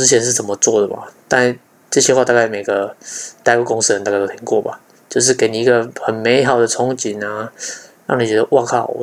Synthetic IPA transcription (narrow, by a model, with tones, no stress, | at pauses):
ɻ̩˥t͡ɕʰɛ˧˦nʂ̬̩˥˩t͡sə˨˩nmə˨˦t͡swɔ˥˩d̪ə˩ma̰˨˩t̪a˥˧˥ | ʈ͡ʂɤ˥˧ɕjɛ˥xwa˥˧t̪a˥˧ka˥˩ɪme˨˩ɪɡə˩t̪a˥˧˥kko˥ŋs̩˥˩ə˧˦nt̪a˥˧k̪o˥t̪ʰi˧˦ŋkwɔ˥˩ba̰˨˩ | t͡ɕjo˥˧ʊʂ̬ɻ̩˥˩ke˧˥ɪni˨˩i˧˥ɡə˨xə˨˩nme˧˦ɪxɑ˨˩ʊd̪ə˩t͡sʰɔ˧˥ŋt͡ɕi˨˩˦na˧ɻɑ̰˥˨ŋni˨˩t͡ɕɥɛ˧˥d̪ə˧ʔwa˥˧kʰa˥˩˨